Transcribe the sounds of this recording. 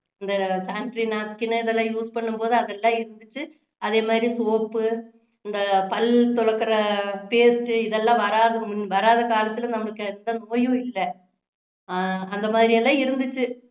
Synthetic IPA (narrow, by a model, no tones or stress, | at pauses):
ɪnd̪ɐsaːɳʈɾinaːkɪnɐɪðɛlːãːjuːspɐɳːɯmpoːðɯɐðɛlːãːɪɾɯnd̪ɯt͡ʃːɯ | ɐðeːmaːðɾisoːpːɯ | ɪnd̪ɐpɐlt̪ɔɻɐkːɐɾɐpeːsʈɯɪðɛlːãːʋɐɾaːðɯmʊnʋɐɾaːðɐkaːlɐt̪ːɪlɯ̃nɐmːɐɭɯkːɯɛnd̪ɐnoːjʊ̃ɪlːɐ | ɐnd̪ɐmaːðɪɾiɛlːãːɪɾɯnd̪ɯt͡ʃːɯ